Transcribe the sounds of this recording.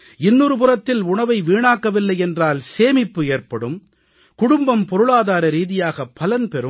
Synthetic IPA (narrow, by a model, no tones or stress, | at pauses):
ɪnːuɾɯpʊrɐt̪ːɪlʊɳɐʋɐɪʋiːɳaːkːɐʋɪlːɐɪɛndraːlseːmɪpːɯeːrpɐɽɯm | kʊɽʊmbɐmpɔɾɯɭaːðaːɾɐɾiːðɪjaːɣɐpːɐlɐnpɛɾɯ